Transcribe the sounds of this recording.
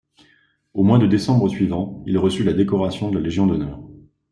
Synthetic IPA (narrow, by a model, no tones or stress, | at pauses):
omwad̪əd̪esɑ̃bʁəsɥivɑ̃ilʁəsylad̪ekɔʁasjɔ̃d̪əlaleʒjɔ̃d̪ɔnœːʁ